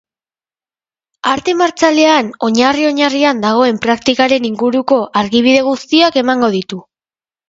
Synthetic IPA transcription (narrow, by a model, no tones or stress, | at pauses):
aɾt̪e̞maɾt͡sale̞ano̞ɲario̞ɲariand̪aɣ̞o̞e̞mpɾakt̪ikaɾe̞niŋɡuɾuko̞ʔaɾɣiβ̞iðe̞ɣ̞ust̪iake̞maŋɡo̞ð̞it̪u